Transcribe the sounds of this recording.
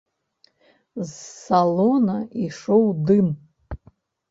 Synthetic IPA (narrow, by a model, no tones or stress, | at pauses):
zsalonaʔiʂowd̪ɨm